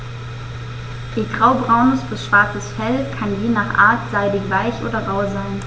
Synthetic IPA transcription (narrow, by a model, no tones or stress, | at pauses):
ʔiːɡʁaʊbʁaʊnəsb̥ɪsʃv̥aɐt͡səsfɛlkʰanjeːnaːχʔa̰ːɐtz̥aɪdɪçv̥aɪçʔo̰ːdɐʁaʊzaɪn